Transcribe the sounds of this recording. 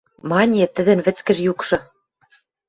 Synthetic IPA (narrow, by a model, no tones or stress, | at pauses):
mɑnʲet̪ɘ̆d̪ɘ̆nβɘ̆t͡skɘ̆ʒjukʃɤ̆